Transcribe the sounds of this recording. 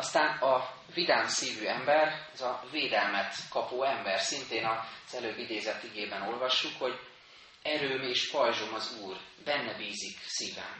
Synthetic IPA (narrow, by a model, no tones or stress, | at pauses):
ɒst̪aːnɒ | vid̪aːmsiːvyːɛmbɛrɛzɒveːd̪ɛlmɛt̪kɒpoːɛmbɛrsint̪eːnɒz̥ɛløːbːid̪eːzɛt̪ːiɡeːbɛno̞lvɒʃːukho̞ɟ | ɛɾøːmeːʃpɒjʒo̞mɒzuːr | bɛnːɛbiːziksiːvɛ̰m